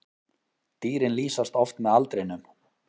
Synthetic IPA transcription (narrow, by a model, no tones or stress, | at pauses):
t̪iːɾɪnliːsast̪ɔft̪mɛðalt̪ɾenʏm